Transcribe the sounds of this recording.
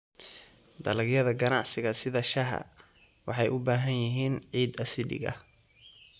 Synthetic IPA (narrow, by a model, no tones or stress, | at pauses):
d̪ɐlɐɡjɐðɐɡɐnɑ̰ʕsɪɣɐsɪðɐʃɐɦɐ̰wɑħɑjʔʊbaːɦɐnjɪɦiːnʕiːd̪ɐsɪɖɪ̰ɣɐ̰